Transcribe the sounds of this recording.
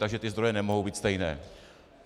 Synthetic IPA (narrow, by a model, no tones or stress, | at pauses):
t̪aɡʒɛt̪ɪzd̪ɾojɛnɛmoɦowbiːt̪st̪ɛjnɛ̰ː